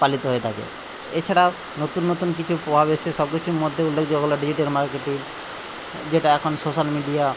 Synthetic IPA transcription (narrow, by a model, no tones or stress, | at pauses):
palit̪oɦoet̪ʰakḛ | et͡ɕʰaɽa | not̪unːot̪unkit͡ɕʰupɾobʱabeeʃɔb̚kit͡ɕʰumod̪ʱːjeulːekʰd͡ʒoɡɔlɔɖid͡ʑiʈalmaɾkeʈiɾ | d͡ʒeʈaɛkʰonsoʃalmiɖia